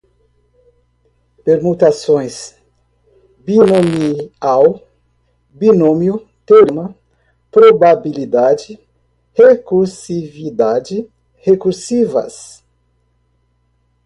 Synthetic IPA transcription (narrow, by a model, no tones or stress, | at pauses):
peɾmut̪asõj̃s | binomiaw | binomju | t̪eoɾimɐ | pɾobabilid̪ad͡ʒɪ | hekuɾsivid̪ad͡ʒi | hekuɾsivɐ̰s